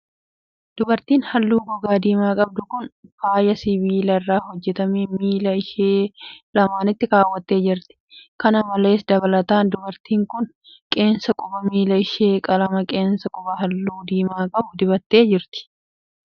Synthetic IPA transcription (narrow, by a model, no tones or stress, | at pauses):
d̪̥ʊbɐɾt̪iːnhɐlːuːɡɔɡaːd̪iːmaːkʼɐb̚d̪ʊkʊnfaːjɐsɪβiːlɐrːaːhɔd͡ʒːɛt̪ɐmiːmiːlɐɪʃeːlɐmaːnɪt̪ːɪɾaːwːɐt̪ːe̞ːd͡ʒɪɾt̪ɪ̥kɐnɐmɐle̞ːsd̪ɐβɐlɐt̪aːnd̪ʊbɐɾt̪iːŋkʊn | kʼe̞ːnsɐkʼʊbɐmiːlɐɪʃeːkʼɐlɐmɐkʼe̞ːnsɐkʼɔbɐɦɐlːuːd̪iːmaːkʼɐbʊd̪ɪbɐt̪ːe̞ːd͡ʒɪɾt̪ɪ̥